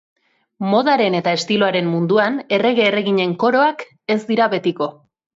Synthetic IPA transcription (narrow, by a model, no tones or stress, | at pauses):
mo̞ðaɾe̞ne̞t̪aest̪ilo̞aɾe̞mːund̪uane̞re̞ɣ̞e̞ːre̞ɣiɲe̞ŋko̞ɾo̞ak | e̞zd̪iɾaβe̞t̪iko̞